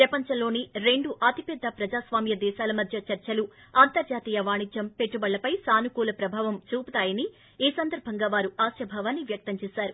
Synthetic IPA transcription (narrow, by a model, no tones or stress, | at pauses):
pɾɐpɐɲt͡ʃɐmlo̞ːniɾe̞ɳɖuʔaːt̪ipɛd̪ːɐpɾɐd͡ʒaːsʋaːmjɐd̪ɛːʃaːlɐmɐd̪ʱjɐt͡ʃɐɾt͡ʃɐlu | ɐnt̪ɐɾd͡ʒaːt̪iːjɐʋaːɳid͡ʒjɐmpe̞ʈːubɐɭːɐpɐjsaːnukuːlɐpɾɐbʱaːʋɐmt͡ʃuːput̪aːjɐni | iːsɐnd̪ɐɾbʱɐŋɡaːʋaːɾuaːʃjɐbʱaːʋaːnːiʋjɐk̚t̪ɐɲt͡ʃɛːsaːɾu